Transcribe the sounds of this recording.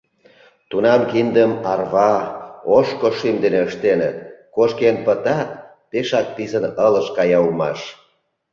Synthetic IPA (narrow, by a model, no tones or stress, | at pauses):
t̪unɑmkind̪əmɑrβɑoʃkoʃimd̪eneəʃt̪enət̪̚koʃkenpət̪ɑt̪ː | eʃɑk̚pizənələʃkɑjɑumɑ̰ʃ